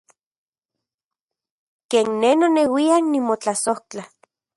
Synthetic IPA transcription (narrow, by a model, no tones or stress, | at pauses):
keːnːenonewianimot͡ɬasoht͡ɬa